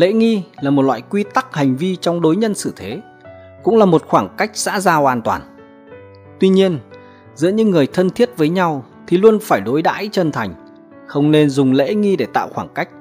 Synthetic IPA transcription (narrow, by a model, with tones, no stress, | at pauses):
lḛ˧˥ŋi˧laː˨˩mo˨˩t̚lwa̰ː˧˨jkwi˧t̪a˦˥k̚ha˨˩jŋ̟vi˧t͡ɕɔ˧wŋ͡mɗo˨˦jɲə˧nsɨ˧˩t̪ʰe˨˦ | kʊ̰˧˥ŋ͡mlaː˨˩mo˨˩t̚xwaː˧˩ŋka˦˥jk̚za̰ː˧˥zaː˧wʔaː˧nt̪wa̰ː˨˩n | t̪wi˧ɲi˧ən | zɨ̰˧˥əɲɨ̰˧˥ŋːɨ˨˩əjt̪ʰə˧nt̪ʰi˦˥ət̚vəː˨˦jɲa˧wt̪ʰi˨˩lu˧ənfaː˧˩jɗo˨˦jɗa̰ː˧˥jt͡ɕə˧nt̪ʰa˨˩jŋ̟ | xə˧wŋ͡mne˧nzʊ˨˩ŋ͡mlḛ˧˥ŋi˧ɗe˧˩t̪a̰ː˧˨wxwaː˧˩ŋka˦˥jk̟̚